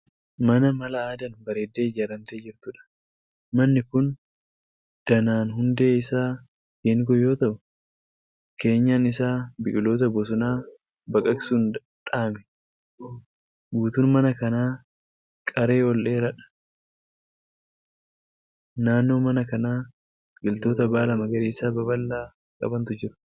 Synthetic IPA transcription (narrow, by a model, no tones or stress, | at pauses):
mɐnɐmɐlɐaːd̪ɐnbɐɾeːd̪ːe̞ːd͡ʒaɾɐnt̪eːd͡ʒɪɾt̪ʊᶑɐ̥ | mɐnːɪkʊn | d̪̥ɐnaːnɦʊnd̪e̞ːɪsaː | ɡeːŋɡɔjo̞ːt̪ɐʔʊ | ke̞ːɲːaːnɪsaːbɪʔʼɪlo̞ːt̪̬ɐbɔs̬ʊnaː | bɐkʼɐksuːn | ᶑaːmɛ̥ | ɡuːt̪uːnmɐnɐkɐnaː | kʼɐɾe̞ːɔlːe̞ːɾɐᶑɐ̥ | naːnːo̞ːmɐnɐkɐnaː | ɡʼɪlt̪oːt̪ɐbaːlɐmɐɡɐɾiːɪsaːbɐbɐlːaː | kʼɐ̰bɐnt̪ʊd͡ʒɪɾʊ̥